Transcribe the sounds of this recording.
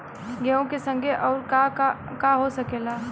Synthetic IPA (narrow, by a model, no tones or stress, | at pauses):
ɡɛõkesə̃ŋɡʱeʔɔːɾkakaɦosɐkeːlaː